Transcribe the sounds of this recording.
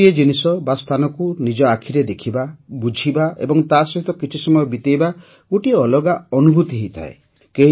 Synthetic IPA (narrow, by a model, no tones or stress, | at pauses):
ied͡ʒinisɔbast̪ʰanɔkunid͡ʒɔakʰiɾed̪ekʰibabud͡ʒʱibaḛbɔŋt̪asɔɦit̪ɔkit͡ʃʰisɔmɔjɔbit̪ejba | ɡoʈieɔlɔɡaɔnubʱut̪iɦeijt̪ʰa̰e | keɦ